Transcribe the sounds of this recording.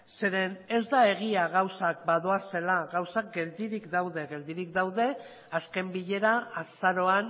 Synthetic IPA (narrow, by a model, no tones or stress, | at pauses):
se̞ɾe̞ne̞zd̪ae̞ɣ̞iaɣawsak̚baðo̞ase̞laɣawsak̚ɡe̞ld̪iɾikd̪awðe̞ɣe̞ld̪iɾikd̪awðe̞ | aske̞mbiʎe̞ɾaasaɾo̞an